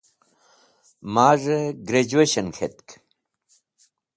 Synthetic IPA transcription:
maːʐəɡɾed͡ʑueɕɐnkʰet̪k

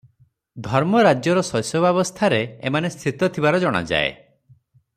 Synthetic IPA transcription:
d̪ʱɔɾmɔɾad͡ʒjɔɾɔsɔjsɔbabɔst̪ʰaɾeemanest̪ʰit̪ɔt̪ʰibaɾɔd͡ʒɔɽ̃a̰d͡ʒa̰ḛ

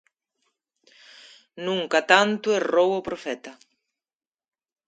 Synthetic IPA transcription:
nũŋkat̪ant̪ʊerowopɾofɛt̪ɐ

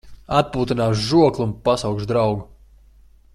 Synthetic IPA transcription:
at̪̚puːt̪inaːʃʒuɔklˠunpasawkʒd̪ɾawɡu

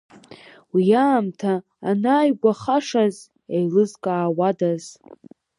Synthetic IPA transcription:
wijaːmtʰaː | naːjɡʷaχaʂaz | ejlɨzkʼaːwadaz̥

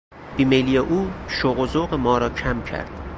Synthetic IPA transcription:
b̥imelijeʔuːʃoɣozoɣemɒːɾɒːcʰæmcʰæ̰ɾd̪̥

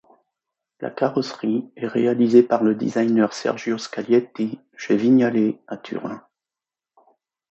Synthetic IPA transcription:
lʔa̰kaʁɔsχiɛʁealizepaʁləd̪ḭzajnœʁsɛ̰ʁʒjoskaljɛt̪i | ʒ̥ɛviɲaleat̪ʰy̰ʁlɛ̃

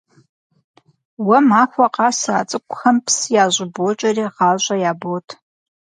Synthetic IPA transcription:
wɐmaːkʷɐqɑːsaːt͡sʼɨkʷʼxɐmpʰsjaːʑʷɪbot͡ʃʼɐriːʁɑːʒʷʼɐjaːbotʰ

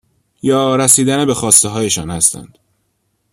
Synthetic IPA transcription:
jɒːɾæsiːd̪ænebe̞xɒːst̪eɦɒːje̞ʃɒːnhæst̪æ̰nd̪̥

